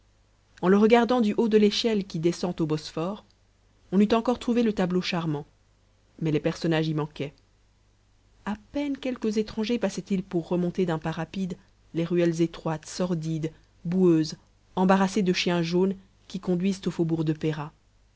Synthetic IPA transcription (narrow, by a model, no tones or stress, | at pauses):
ɑ̃ləʁəɡaʁd̪ɑ̃d̪yʔod̪əleʃɛlkʲid̪ɛsɑ̃t̪obɔsfɔʁ | ɔ̃nyt̪ɑ̃kɔʁt̪χuvelət̪abloʃaʁmɑ̃ | mɛlepɛʁsɔnaʒimɑ̃kʲɛ | apɛnkʲɛlkəzet̪χɑ̃ʒepasɛt̪ilpuʁːəmɔ̃t̪ed̪ɛ̃paʁapid̪ | leʁyɛlzet̪χwat̪sɔʁd̪id̪ | buøz | ɑ̃baʁased̪əʃjɛ̃ʒon | kʲikɔ̃d̪ɥizt̪ofobuʁd̪əpeʁa